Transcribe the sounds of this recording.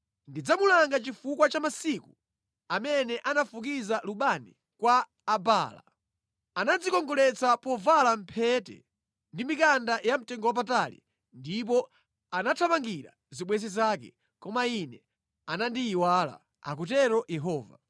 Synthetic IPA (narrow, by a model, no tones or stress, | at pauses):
ndid͡zamulaŋɡat͡ʃifukwat͡ʃamasiku | amɛnɛʔanafuk̬izaluɓanḭ | kwaː | ba̰ːla̰ | anad͡zikɔŋɡɔlɛt͡sapɔvalam̩pʰɛtɛ̰ | ndimikandajam̩tɛŋɡɔwap̬atalḭ | ndip̬ɔ | anatʰapaŋɡiɾa̰ | ziɓwɛzizaːkɛ̰ | kɔmainɛ | anandiːwaːla̰ | a̰k̬ut̬ɛɾɔjɛɦɔːva